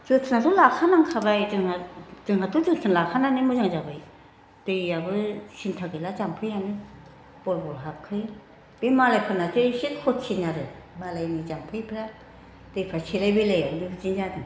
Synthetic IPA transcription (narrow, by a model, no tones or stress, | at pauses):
d͡ʒɯtʰɯnatʰɔlakʰanaŋkʰabajzɯŋadɯŋɦatʰuzɯtʰɯnlakʰananɯmɯzaŋzabaj | d̥ɯjabɯsintʰaɡɯjlazampʰɯjanɯ | b̥ɔlbɔlɦap̚kʰɯj | b̥emalajpʰɯnatʰɯsit̚kʰɔtt͡ʃʰinaɾɯmalajnizampʰɯjpʰɾa | d̥ɯjpʰɾasʰelajbelejawnibɯd͡ʒinzadɯ